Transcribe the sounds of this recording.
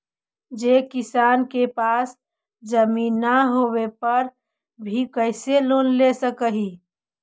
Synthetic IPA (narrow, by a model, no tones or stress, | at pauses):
d͡ʒeːkɪsaːnkepaːs | d͡ʒəmiːnːaɦoːwepəɾ | bʱikəɪseloːnlesəkəɦi